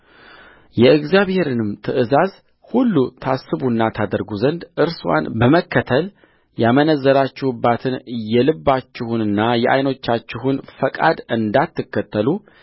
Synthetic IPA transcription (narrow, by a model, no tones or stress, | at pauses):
jɛɨɡzijaβhe̞ɾɨnɨmt̪ʰɨʔɨzaz | hulːut̪ʰasːɨβunːat̪ʰad̪əɾɡuzənd̪ʔɨɾswa̰nbəməkːət̪ʰəl | jamənəzːəɾat͡ʃːɪhbːat̪ʰɨnjɛlɨbːat͡ʃːɪhunɨnːajɛʔa̰jno̞t͡ʃːat͡ʃːɪɦunfəkʼa̰d̪ɨnd̪at̪ːɨkːət̪ːəlu